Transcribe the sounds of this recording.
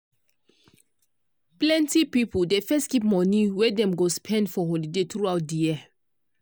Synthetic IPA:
plɛ̃ntipipudefɛstkipmɔ̃niwɛdɛ̃mɡospʰɛ̃ndfɔɦɔlidetɹuaʊt̚dijiə

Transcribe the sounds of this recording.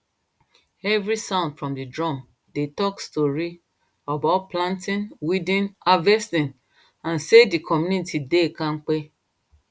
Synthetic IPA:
ɛvɾisãʊ̃ndfɹɔ̃mdidɹɔ̃m | detɔkstɔɹi | abaʊt̚plãntĩnwidĩnavɛstĩn | ãnsedikʰɔmjunitidekãnk͡pe

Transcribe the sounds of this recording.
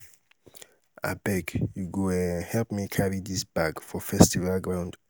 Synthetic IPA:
ʔa̰bɛkjuɡoɛhɛlpmikʰaɹid̪isb̥aɡfɔfɛstivalɡɹãʊ̃nd

